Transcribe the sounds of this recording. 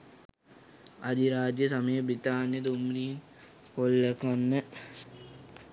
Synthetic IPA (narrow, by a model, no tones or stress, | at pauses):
ɐd̪iɾaːd͡ʒjɐsɐmɐjɐbɾit̪aːnjɐd̪umɾiːn | kolːɐkɐnːɨ